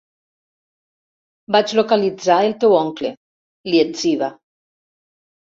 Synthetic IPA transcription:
bat͡ʃlokalid͡zaelt̪ewɔŋklḛ | lieziβa

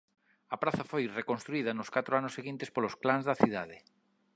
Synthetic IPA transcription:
ɐpɾaθafojrekonst̪ɾuið̞anoskat̪ɾoanosːeɣint̪espolosklanzðaθið̞að̞e

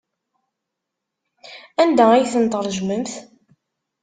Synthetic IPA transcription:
ænd̪æijθənt̪ˤəɾˤʒməmθ

